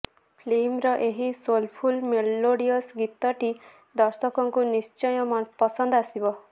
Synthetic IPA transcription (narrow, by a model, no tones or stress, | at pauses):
pʰlemɾɔʔeɦisolpʰulmeloɽiɔsɡit̪ɔʈi | d̪ɔɾsɔkɔŋkunist͡ʃɔjɔmpɔsɔnd̪ɔasibɔ